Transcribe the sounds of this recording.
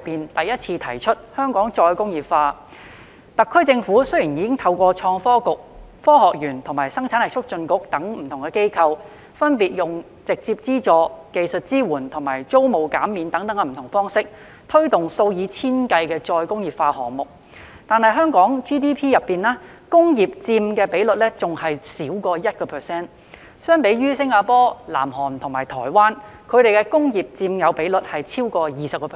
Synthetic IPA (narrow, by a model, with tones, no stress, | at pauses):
pːiː˨nt̪ɐ˨jɐ˥t̚t͡sʰiː˧t̪ʰɐ˨˩jt͡ʃʰɵ˥t̚hœː˥ŋkɔː˨˥ŋt͡sɔː˧jkʊ˥ŋjiː˨˩pfaː˧ | t̪ɐ˨kʰːɵ˥ɥt͡sɪ˧ŋfuː˨˥sɵ˥ɥjiː˨˩njiː˨kɪ˥ŋt̪ʰɐ˧wkʷɔː˧t͡ʃʰɔː˧ŋfɔː˥kʊ˨k̚ | fɔː˥ɦɔː˨k̚jyː˨˩nt̪ʰʊ˨˩maː˨˩jsɐ˥ŋt͡sʰaː˨˥nhɐ˨kt͡ʃʰʊ˥k̚t͡ʃɵ˧nkʊ˨˥k̚t̪ɐ˨˥ŋm̩˨˩t̪ʰʊ˨˩ŋkɛ˧ke˥jkʰɐ˧w | fɐ˥npiː˨t̚jʊ˨ŋ | t͡sɪ˨k̚t͡siː˧p̚t͡siː˥t͡sɔː˧ke˨˧jsɵ˨t̚t͡siː˥wuː˨˩nt̪ʰʊ˨˩ŋma̰ː˨˩jt͡so˥wmo˨˩wkaː˨˥mːiː˨˧nt̪ɐ˨˥ŋt̪ɐ˨˥ŋkɛ˧m̩˨˩t̪ʊ˨˩ŋfɔː˥ŋsɪ˥k̚ | t̪ʰɵ˥ɥt̪ʊ˨ŋso˧wjiː˨˧t͡sʰiː˥nkɐ˧jkɛː˧t͡sɔː˧jkʊ˥ŋjiː˨˩p̚faː˧hɔː˨˩ŋmʊ˨k̚ | t̪aː˨nhɐ˨jɦœː˥ŋkɔː˨˥ŋt͡ʃiː˥t̪iː˥pʰiː˥jɐ˨pːiː˨naː˥kʊ˥ŋjiː˨p̚t͡siː˧mkɛː˧pe˨˥jlɵ˨t̚lɛː˥t͡sʊ˨ŋhɐ˨jsiː˨˥wkɔː˧jɐ˥t̚kɔː˧pʰɛ˨sɛː˥n | sœː˥ŋpe˨˥jɥyː˥sɪ˥ŋaː˧pɔː˥la̰ː˨˩mhɔː˨˩nt̪ʰʊ˨˩ŋmaː˨˩jt̪ʰɔ̰ː˨˩jwaː˥nkʰɵ˨˧ɥɾe˨jkɛː˧kʊ˥ŋjiː˨p̚t͡siː˧mjɐ˨˧wpe˨˥jlɵ˨t̚hɐ˨jt͡sʰiː˥wkɔː˧jiː˨sɐ˨p̚kɔː˧pʰ